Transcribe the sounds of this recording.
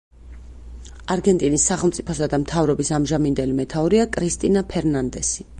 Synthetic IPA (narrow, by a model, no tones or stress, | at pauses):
aɾɡɛnt̪ʼinisːaχɛlˠmt̪sʼipʰɔsad̪amt̪ʰavɾɔbisamʒamind̪ɛlimɛt̪ʰauɾiakʼɾist̪ʼinapʰɛɾnand̪ɛsi